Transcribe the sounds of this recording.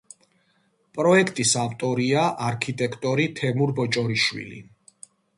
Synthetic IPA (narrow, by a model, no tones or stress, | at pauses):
pʼɾɔɛkʰt̪ʼisaft̪ʼɔɾiaʔaɾkʰit̪ʼɛkʰt̪ʼɔɾit̪ʰɛmuɾbɔt͡ʃʼɔɾiʃwḭlḭ